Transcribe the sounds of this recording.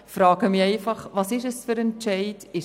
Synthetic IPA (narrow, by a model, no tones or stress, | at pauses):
fɾɑːɡ̥əmiɛɪfɑχʋɑːsɪʃəsfʏɾɛnt͡ʃɛɪtɪʃ